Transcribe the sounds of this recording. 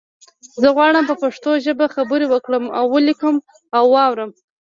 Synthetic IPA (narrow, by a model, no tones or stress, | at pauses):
zəɣwɑɽəmpəpaʂt̪oʒəbaxabəɾewəkɽəma̰wːəlikəm | awːɑwɾəm